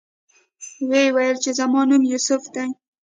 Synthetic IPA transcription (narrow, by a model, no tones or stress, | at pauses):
wewajəlt͡ʃezamɑnumjusʊfd̪aj